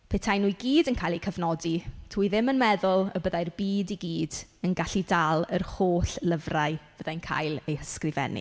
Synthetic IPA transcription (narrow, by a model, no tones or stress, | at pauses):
pʰetʰajnujɡiːdənkʰajlˠejkʰəvnɔditʰuːiðɪmənmɛðʊlˠəbəðajrbiːdiɡiːdənɡaɬidalˠərhoːɬləvraɨv̥əðajnkʰa̰jlˠejhəskrɪvɛ̰nḭ